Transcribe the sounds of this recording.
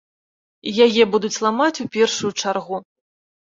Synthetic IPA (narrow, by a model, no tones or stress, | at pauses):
jajɛbud̪ut͡sʲlˠamat͡sʲupʲɛrʂujut͡ʂarɣu